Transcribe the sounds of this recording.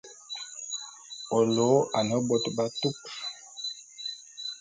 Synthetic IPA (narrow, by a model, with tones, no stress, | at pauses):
o˨lo˨˦a˨nɔ˨˦bo˦tba˦tu˦k